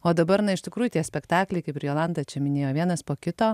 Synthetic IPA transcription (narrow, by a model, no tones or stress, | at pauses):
oːd̪ɐbɐɾnɐɪʃt̪ʲɪkɾuːjʊt̪ʲiɛsʲpʲɛkt̪ɑːklʲɛɪkɐɪpɾjoːlˠɑnd̪ɐːt͡ʃʲɛmʲɪnʲeːjoːʋʲiɛnɐspoːkʲɪt̪oː